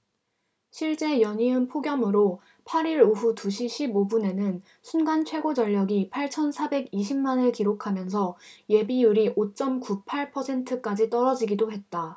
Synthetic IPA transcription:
ɕʰiɭt͡ɕ͈e̞jʌɲiɯnpʰoɡjʌmɯɾo | pʰaɾiɾuɸutuɕʰiɕʰibobune̞nɯn | sʰunɡant͡ɕʰwe̞ɡod͡ʑʌʎːʌɡipʰaɭt͡ɕʰʌnsʰabe̞ɡiɕ̬ʰimmanɯɭkiɾokʰamjʌns̬ʰʌje̞bijuɾiʔot͡ɕ͈ʌmkupʰaɭpʰʌsʰe̞ntʰɯk͈ad͡ʑit͈ʌɾʌd͡ʑiɡidoɦe̞t̚t͈a

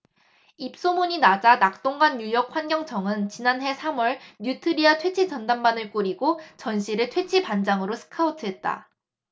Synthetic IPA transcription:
ip̚s͈omuɲinad͡ʑanak̚t͈oŋɡanːujʌk̚ɸwanɡjʌŋt͡ɕʰʌŋɯnt͡ɕinanɦe̞sʰamwʌɭɲjutʰɯɾiatʰwe̞t͡ɕʰit͡ɕʌndanbanɯɭk͈oɾiɡot͡ɕʌnɕʰiɾɯɭtʰwe̞t͡ɕʰipand͡ʑaŋɯɾosʰɯ̥kʰautʰɯɦe̞t̚t͈a̰

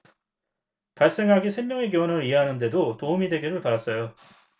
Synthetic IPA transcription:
paɭs͈e̞ŋɦaɡisʰe̞ŋmjʌŋe̞kjonʌɯɾiɦeɦanɯnde̞dotoumidwe̞ɡiɾɯɭpadas͈ʌjo

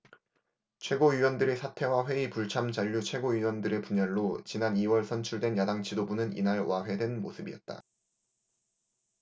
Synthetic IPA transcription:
t͡ɕʰwe̞ɡoiwʌndɯɾesʰatʰe̞waɸwe̞ipuɭt͡ɕʰamt͡ɕaʎːut͡ɕʰwe̞ɡoɥiwʌndɯɾe̞puɲʌnːot͡ɕinaniwʌɭsʰʌnt͡ɕʰuɭdwe̞njadaŋt͡ɕʰidobunɯnḭnaɭwʔaɸe̞dwe̞nmo̰sʰɯbiʌt̚t͈a̰

